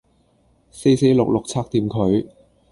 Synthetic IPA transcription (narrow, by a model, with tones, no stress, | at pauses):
se˧jse˨˧jlʊ˨k̚lʊ˨k̚t͡sʰaː˥k̚t̪iː˧mkʰɵ˨˧ɥ